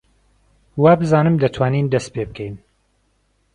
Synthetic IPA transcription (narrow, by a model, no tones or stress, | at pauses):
waːbɨzaːnɨmd̪ɐt̪ʰwaːniːnd̪ɐst̪̚pʰebɨkʰɛjn